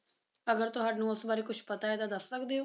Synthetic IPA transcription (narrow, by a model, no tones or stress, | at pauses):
ɐɡəɾt̪oɦɐʈnũʊsbaːɾikʊt͡ʃʰpɐt̪aed̪ad̪ɐssɐkd̪e